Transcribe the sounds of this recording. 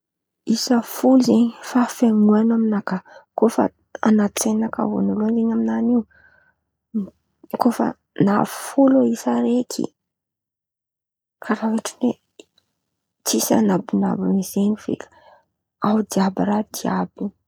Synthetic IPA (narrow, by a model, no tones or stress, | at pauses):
isəfulzeɲifafaŋuanaminakakofə̰ | anatt͡senaka̰vo̰nuluanzeɲaminaniw | kofə̰ | navufuloisaɾekʰḭ | kʰaɾawiʈ͡ʂine | t͡sisa̰nabuna̰bunizenifḛl̥ | awd̪iabiɾad̪iabi